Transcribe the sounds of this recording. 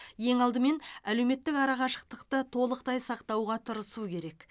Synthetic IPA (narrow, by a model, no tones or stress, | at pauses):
je̞ŋɑlˠd̪əme̞nælewme̞t̪ːɪkɑɾɑʁɑʃə̥q̚t̪əqt̪ət̪ʰo̞lˠəqt̪ɑjsɑqt̪ɑwʁɑt̪ʰəɾəsukʲʰe̞ɾe̞k